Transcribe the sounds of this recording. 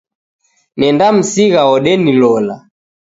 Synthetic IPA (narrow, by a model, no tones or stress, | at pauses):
nɛndam̩siɣaɔɗɛnilɔla̰